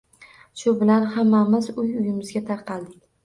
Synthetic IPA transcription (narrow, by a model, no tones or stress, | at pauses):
ʃʊbɪlanhamːamɪzʊjʊjɪmɪzɡʲat̪ʰɑɾqʰɑlˠd̪ɪkʲ